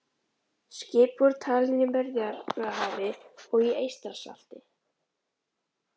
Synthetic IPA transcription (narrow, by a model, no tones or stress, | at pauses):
scɪːpvɔɾt̪ʰaːlɪnɪpɛɾðjaɾɛaɦaːvɪɔɣiejst̪aɾ̥sa̰l̥t̪ɪ